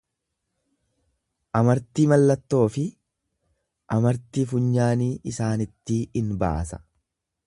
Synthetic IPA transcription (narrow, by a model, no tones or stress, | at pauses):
ʔɐmɐɾt̪iːmɐlːɐt̪ːo̞ːfɪ | ʔɐmɐɾt̪iːfʊɲːaːniːʔɪsaːnɪt̪ːɪɪnba̰ːsɐ̥